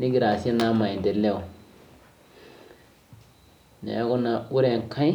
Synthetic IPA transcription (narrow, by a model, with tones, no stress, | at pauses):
ni˦ɡi˨ɾa˨se˦na˦mã˨i˨de˨le˦u˨ | nḛ˨a˦ko˦na˨u˦ɾe˨ŋ˨kʰã˦i˦